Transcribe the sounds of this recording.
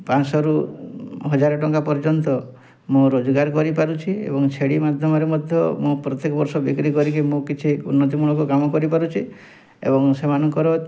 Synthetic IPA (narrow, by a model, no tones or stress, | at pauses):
pãsɔɾu | ɦɔd͡ʒaɾɔʈɔŋkapɔɾd͡ʒɔnt̪ɔ | mõɾod͡ʒɔɡaɾkɔɾipaɾut͡ʃʰiḛbɔŋt͡ʃʰeɽimad̪ʱjɔmɔɾemɔd̪ʱjɔmũpɾɔt̪jekɔbɔɾsɔbikɾikɔɾikimõkit͡ʃʰiṵnːɔt̪imuɭ̃ɔkukamɔkɔɾipaɾut͡ʃʰi | ḛbɔŋsemanɔŋkɔɾɔ